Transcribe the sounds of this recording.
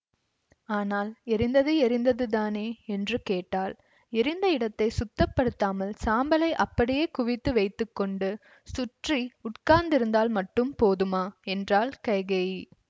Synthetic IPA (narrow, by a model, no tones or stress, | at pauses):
aːnaːlɛɾɪnd̪ɐðɯɛɾɪnd̪ɐðɯðaːneːɛndrɯkeːʈːaːl | ɛɾɪnd̪ɐɪɽɐt̪ːɐɪsʊt̪ːɐpːɐɽɯt̪ːaːmɐlsaːmbɐlɐɪʔɐpːɐɽɪjeːkʊʋɪt̪ːɯʋɐɪt̪ːɯkːɔɳɖɯ | sʊʈriʊʈkaːnd̪ɪɾɯnd̪aːlmɐʈːɯmpoːðɯmaːɛndraːlkɐjɣɐɪ